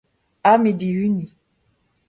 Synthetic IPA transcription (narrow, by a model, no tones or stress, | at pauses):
amidiwyni